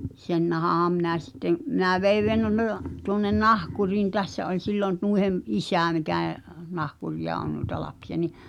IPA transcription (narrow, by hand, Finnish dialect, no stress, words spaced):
sen nɑhɑhɑm minæˑ sitːem̆ mĭnæ ʋei tuŏnːen nɑhkuriːn tæsːæ olʲ silːon nuihem ʔisæˑ mikæˑ nɑhkuriɑ on nuĭtɑ lɑpsiɑ ni